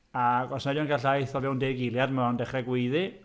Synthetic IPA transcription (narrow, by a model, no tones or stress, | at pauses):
aɡɔsnadɔnkaɬajθɔvɛwndeːɡɪlˠjadmaɔndɛχrɛɡwejðɨ